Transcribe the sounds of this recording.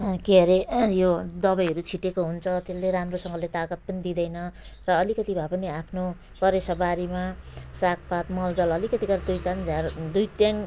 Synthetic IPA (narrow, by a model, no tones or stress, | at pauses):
keɾejod̪ʌbʌjɦʌɾut͡sʰiʈekoɦunt͡sʰʌt̪elleɾamrosʌŋɡʌlet̪akʌt̪̚pʌnid̪id̪ʌjnʌrʌːlikʌt̪ibʱapʌniapʰno | kʌɾesʌbaɾimasak̚ʰpat̪mʌld͡zʌlʌlikʌt̪iɡʌɾd̪ujkand͡zʱard̪ujt̪jaŋ